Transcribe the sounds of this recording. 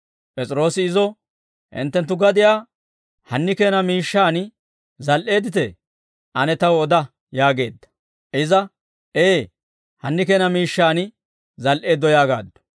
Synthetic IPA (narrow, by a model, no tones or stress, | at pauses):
pʼɛt͡sʼɾo̞ːsɪːzɔ | ʔɪ̰nt̪ːɛnt̪ːʊɡɐd̪ɪjaː | hɐnːɪke̞ːnɐmiːʃːaːn | zɐlʔe̞ːd̪ɪt̪ɛ | ʔɐnɛt̪ɐwɔd̪ɐ | jaːɡe̞ːd̪ːɐ̥ | ʔɪzɐ | ʔeː | hɐnːɪkeːnɐmiːʃːaːnɪ | zɐlʔe̞ːd̪ːɔjaːɡa̰ːd̪ːɔ̥